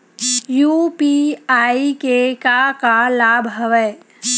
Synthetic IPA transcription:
juːpiaːikekakalaːbʱɦɐʋəː

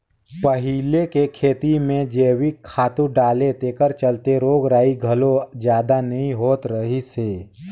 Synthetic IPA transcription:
pəɦilekekʰeːt̪imẽd͡ʒeːwikʰːaːt̪ũɖaːlet̪eːkəɾt͡ʃəlt̪eɾoːɡɾaːiɡʱəlod͡ʒjaːd̪anəɦĩɦoːt̪ɾəɦiseː

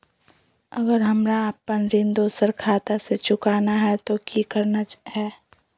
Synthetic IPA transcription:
əɡəɾɦɐmɾaːpːənɾɪ̃nd̪oːsəɾkʰaːt̪aset͡ʃʊkaːnaɦɛt̪okikəɾnat͡ʃɦɛː

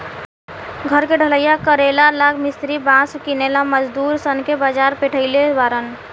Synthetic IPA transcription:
ɡʱəɾkeɖʱələjakəɾelalakʰmist̪ɾibãskinelaməd͡ʒd̪uɾsənkebad͡ʒaɾpeʈʰəɪleaɾən

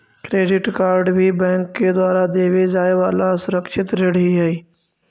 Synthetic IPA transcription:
kɾeːɖɪʈkaːɾɖbʱibɛ̃ːŋkːed̪waːɾad̪eːʋed͡ʒaːeʋaːlasʊɾəkʃɪt̪ɾeɽiɦɛi

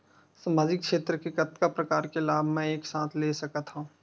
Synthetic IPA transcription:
saːmaːd͡ʒɪkːʃeːt̪ɾəkekɐt̪kapɾɐkaːɾkelaːbʱmɛ̃eːksãːt̪ʰlesɐkət̪ɦũː

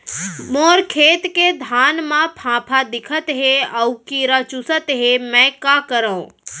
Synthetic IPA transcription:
moːɾkʰeːt̪ked̪ʱaːnmãpʰãːpʰad̪ɪkʰət̪ɦeəwkiɾat͡ʃusət̪ɦemɛ̃kakəɾəũ

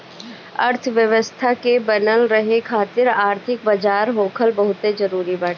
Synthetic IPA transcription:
ɐ̰ɾt̪ʰʋjəʋəst̪ʰakebənəlɾɐɦekʰaːt̪ɪɾaːɾt̪ʰɪkbɐd͡ʒaːɾɦoːkʰəlbɐɦʊt̪ed͡ʒɐɾuːɾibaːʈː

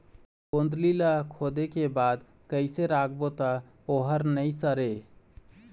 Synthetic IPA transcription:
pond̪lilakʰod̪ekebad̪ | kəɪseɾakʰbot̪ə | oɦəɾnəisəɾe

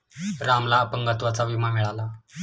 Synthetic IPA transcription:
ɾamlaəpəŋɡat̪ʋat͡saʋimamiɭala

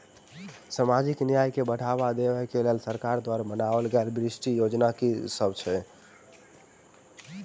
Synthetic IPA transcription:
samad͡ʒiknijajkebəʈabad̪ebɛkelelsəɾkaɾd̪waɾabənabəlɡelbɾisʈijod͡ʒnakesəbt͡ʃʰɛ

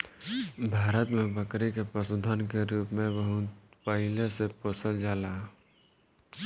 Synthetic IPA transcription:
bʱaːɾət̪mẽbəkɾikepɾəsʊd̪ʱənkeɾuːpmẽbəɦʊt̪pəɦɪlesepoːsəld͡ʒaːlaː

